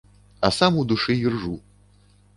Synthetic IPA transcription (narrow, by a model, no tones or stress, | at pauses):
ɐsamud̪uʂɨjirʐu